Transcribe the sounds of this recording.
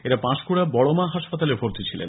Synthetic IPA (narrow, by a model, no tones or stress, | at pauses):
eɾapãʃkuɽabɔɭomaɦaʃpat̪alefoɾt̪it͡ɕʰilḛn